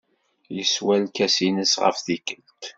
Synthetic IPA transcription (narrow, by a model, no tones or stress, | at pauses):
jəswælkæsinəsʁə̰fθikəlt̪